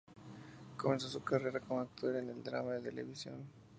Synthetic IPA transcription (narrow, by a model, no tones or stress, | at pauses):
ko̞me̞ns̬o̞sukare̞ɾakomak̚t̪ʰoɾeneld̪ɾa̰maðe̞t̪ele̞̰βisjo̞̰n